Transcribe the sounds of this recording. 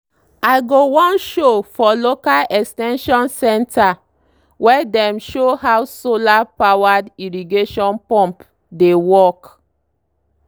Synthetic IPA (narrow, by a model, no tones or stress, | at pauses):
aɪɡowɔ̃nʃofɔlokalɛkstɛ̃nʃɔ̃nsɛ̃nta | wɛdɛ̃mʃoɦawsolapawadiɹiɡeʃɔ̃npɔ̃mp | dewɔk